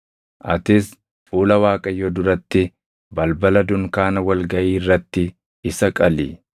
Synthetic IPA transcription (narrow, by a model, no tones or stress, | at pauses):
ʔɐt̪ɪs | fuːlɐwaːkʼɐjɔd̪ʊɾɐt̪ːɪ | bɐlbɐlɐd̪ʊŋkaːnɐwɐlɡɐʔiːrːɐt̪ːɪ | ɪsɐkʼɐlḭː